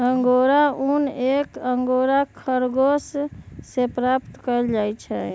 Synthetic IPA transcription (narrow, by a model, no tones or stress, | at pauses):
əŋɡoɾaunekəŋɡoɾakʰəɾɡossepɾapt̪kəld͡ʒajt͡ʃʰɛ